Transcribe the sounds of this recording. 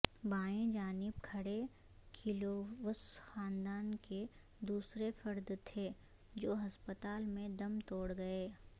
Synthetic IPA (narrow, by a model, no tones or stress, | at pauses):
baːẽd͡ʒaːnɪbkʰɐɽe | kʰiloʋəsxaːnd̪aːnke | d̪uːsɾefɐɾd̪t̪ʰeː | d͡ʒoːɦɐspət̪aːlmẽd̪ɐmt̪oːɽɡɐeː